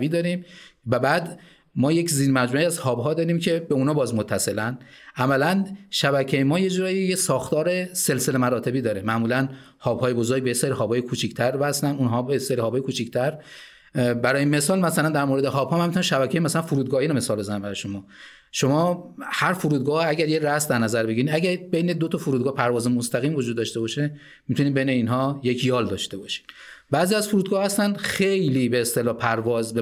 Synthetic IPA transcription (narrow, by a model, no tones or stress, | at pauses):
viːd̪ɒːɾiːmvæbæːd̪ | mɒːjecziːɾmæd͡ʒmuiæzhɒːbɦɒːd̪ɒːɾiːmcʰe̞be̞unɒːbɒːzmot̪ʰːæselæn | ʔæmælænʃæbæcʰejemɒːje̞d͡ʒuɾɒːjijesɒːxt̪ɒːɾe̞se̞lse̞le̞mæɾɒːt̪ʰe̞biːd̪ɒːɾemæmuːlæn | hɒːb̥hɒːjebozoɾɡ̚bejeseːɾiɦɒːbɒːjekʰuːt͡ʃʰict̪ʰæɾbæslænunɦɒːbeseːɾihɒbɒjekʰuːt͡ʃʰict̪ʰæɾ | bæɾɒːjeme̞sɒːlmæsælænd̪æɾmoɾed̪ehɒːbhɒːmænmit̪unæamʃæbækʰejemæsælænfuɾuːd̪̚ɡɒːhiːɾome̞sɒːlbe̞zænænmbæɾɔjeʃo̞mɒː | ʃo̞mɒːhæɾfuɾuːd̪̚ɡɒːhæɟæɾjeɾæsd̪æɾnæzæɾbe̞ɟiɾiːd̪æɟæɾbejned̪ot̪ʰɒfuɾuːd̪ɡɒːhpʰæɾvɒːzemost̪æɣiːmvod͡ʒuːd̪ːɒːʃt̪ebɒʃe | mit̪ʰuniːd̪be̞jneiːnɦɒːje̞cʰjɒːld̪ɒːʃt̪e̞bɒʃi̥d̪̥bæːziæzfuɾud̪ɡɒːhæst̪ænxejliːbeːst̪e̞lɒːhpʰæɾvɒːzb